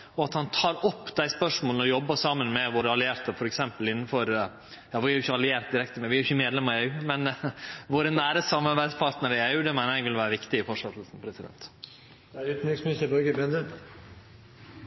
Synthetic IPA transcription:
ɔɑt̪hɑnt̪ʰɑːɾɔpːd̪æɪspœʂmoːlnəɔjɔbːəsɑːmənmɛʋoːɾəɑlɪeːɾt̪əɾfɔɾɛksɛmpəlɪnːn̩fɔɾ | jɑːʋɪæɾjʊʏçəɑlɪeːɾt̪d̪ɪɾɛkt̪əmɛʋɪæɾjʏçːəmeːd̪lɛmɑɾɪeʉmɛnʋoːɾənæːɾəsɑmɑɾbæɪspʰɑɾʈ̪nəɾəɪæʉd̪ɛmæɪɾɛɡʋɪlʋæːɾəʋɪkt̪ɪɪfɔʂɑt̪əl̩sn̩pʰɾɛsɪd̪ɛ̰nt̪ | æɾyt̪nyksmɪsəbœɡəbɾɛnd̪ə

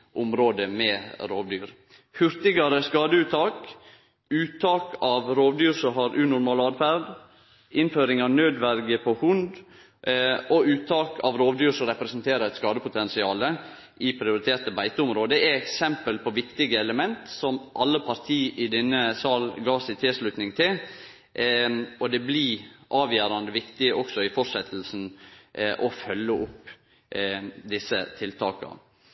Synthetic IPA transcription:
ʔʊmɾoːd̪əmɛɾoːʋd̪yːɾ | hʉɾt̪ɪɡɑɾəskɑːd̪əʉːt̪ʰːɑːk | ʉːt̪ʰːɑːkɑʋɾoːʋd̪yːɾsɔɦɑɾʔʉːnʊɾmɑːlɑːd̪fæɾd̪ | ɪnføːɾɪŋɑːʋnøːd̪ʋæɾɡəpʰɔhʊnd̪ | ɔʉːt̪ʰːɑːkʰɑ̰ʋɾoːʋd̪yːɾsɔɾɛpɾɛsənt̪ʰeːɾəɾɛt̪skɑːd̪əpʊt̪ʰɛnsɪɑːlə | ʔɪpʰɾɪʊɾɪt̪ʰeːt̪əbæɪt̪əʊmɾoːd̪əɛɛksɛmpəlpʰɔʋɪkt̪ɪɡəɛləmɛnt̪sɔmʔɑlːəpʰɑɾt̪ʰiːʔɪd̪ɛnːəsɑːlɡɑːsɪt̪ʰɪlʂlʉt̪nɪŋt̪ʰɪl | ɔd̪ɛbliʔɑːʋjæːɾɑnd̪əʋɪkt̪ɪəʔɔksɔɪfɔʂɛt̪ʰl̩sn̩ | ʔɔfœlːəʔʊpː | d̪ɪsːət̪ʰɪlt̪ʰɑːkɑ̰

